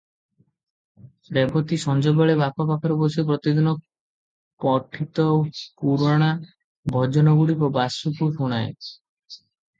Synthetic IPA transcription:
ɾebɔt̪isɔnd͡ʒɔbaɭebapɔpakʰɔɾɔbosepɾɔt̪id̪inɔ | pɔʈʰit̪ɔpuɾɔɽ̃a | bʱɔd͡ʒɔnɔɡuɽibɔbasukuɾɦuɽ̃ae

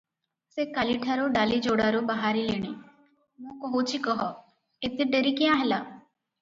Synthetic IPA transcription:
sekaːliʈʰaɾoːɖaːlid͡ʒoːɽaːɾoːbaɦaːɾileːɽ̃iː | mõːkəɦot͡ʃʰikəɦɔ | ɪt̪ʰːeɖeɾikijãːɦɛlaː

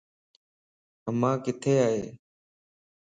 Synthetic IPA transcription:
əmãːkɪt̪ʰeːaːɦeː

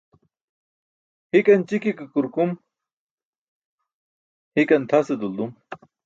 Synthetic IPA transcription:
hikɐnt͡ɕikikɨkuɾkum | hikɐnt̪ʰased̪uld̪um

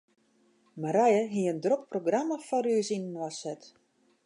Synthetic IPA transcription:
maɾajəɦiəndrok̚proɡraməfɔɾyəsinənwasɛt

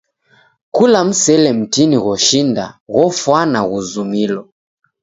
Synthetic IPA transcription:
kulam̩sɛlɛm̩tiniɣɔʃinda̰ɣɔfwanaɣuzumilɔ

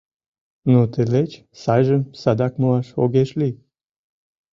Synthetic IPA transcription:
not̪elet͡ɕ | sɑjʒəmsɑd̪ɑkmoɑʃo̰ɣeʃli

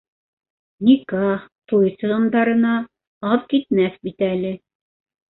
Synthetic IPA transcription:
nikɑt̪ujsɤ̆ʁɤ̆nd̪ɑɾɤ̆nɑ | ɑpkit̪mæθbit̪ælɘ

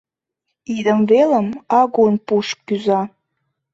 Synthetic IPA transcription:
id̪əmveləmɑɣunpuʃkkyzɑ

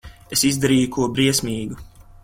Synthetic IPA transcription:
esizd̪aɾiːjukuɔbɾiɛsmʲiːɡu

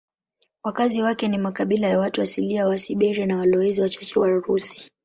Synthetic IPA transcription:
wakaziwakɛnimakaɓilajawatuwasiliawasiɓɛɾɛnawalɔɛziwat͡ʃɔt͡ʃɛwaɾusi̥

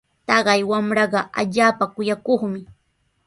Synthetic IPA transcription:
t̪ɑɢɑjwamɾɑɢɑʔa̰ʎaːpakʊjakoχmɪ

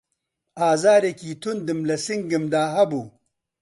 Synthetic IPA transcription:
aːzaːɾekiːt̪ʰund̪ɨmlɐsiŋɡɨmd̪aːɦɐbu

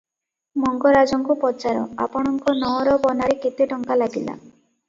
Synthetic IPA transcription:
mɔŋɡɔɾad͡ʒɔŋkupɔt͡ʃaɾɔ̰a̰pɔɽ̃ɔŋkɔnɔɾɔbɔnaɾeket̪eʈɔŋkalaɡila̰

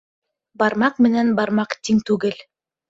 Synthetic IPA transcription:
bɑɾmɑqmɘ̆nænbɑɾmɑqt̪iŋt̪ʉɡɘl

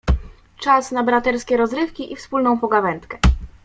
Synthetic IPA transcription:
t͡ʂasnabɾat̪ɛɾskʲɛɾɔzɾɘfkʲiʔifspulnɔ̃w̃pɔɡavɛnt̪kɛ

